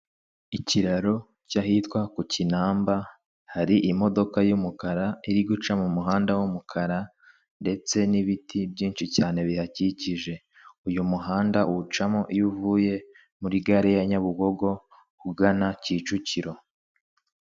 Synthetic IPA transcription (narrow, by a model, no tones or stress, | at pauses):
iciɾaɾo̞ | caɦitwakucinaːmba | haɾiʔimo̞do̞kajumukaɾaiɾiɡut͡ʃamumuɦaːndawumukʰaɾa | nde̞t͡se̞niβitʰibɟiːnt͡ʃicaːne̞βihaciciʒe̞ | ujumuɦaːndaut͡ʃamoʔijuvuːje̞ | muɾiɡaɾijaɲaβuɡo̞ɡo̞ | uɡanaciːt͡ʃuciɾo̞